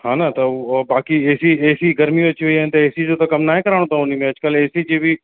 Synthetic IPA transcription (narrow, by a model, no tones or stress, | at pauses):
ɦãːnat̪ɐbaːkieːsieːsiɡɐɾmioɐt͡ɕiʋɐiɦɐnt̪ɐeːsid͡ʑot̪ɐkɐmnaːɦẽkɐɾaːɽ̃ot̪ʰãʊnimẽɐd͡ʑkəleːsid͡ʑeːbi